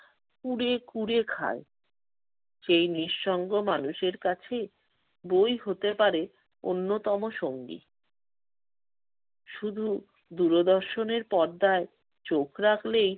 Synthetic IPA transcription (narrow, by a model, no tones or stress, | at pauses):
kuɾekuɾekʰa̰e | ʃejniʃːɔŋɡomanuʃeɾkat͡ɕʰe | bojɦot̪epaɾe | o̰nːot̪ɔmoʃoŋɡḭ | ʃud̪ʱu | d̪uɾod̪ɔɾʃoneɾpɔɾd̪ae | t͡ɕokʰɾakʰlej